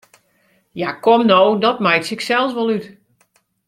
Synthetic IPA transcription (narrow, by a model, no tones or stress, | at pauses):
jakomnowdɔtmɛjtsɪksɛlˠsʋɔlˠyt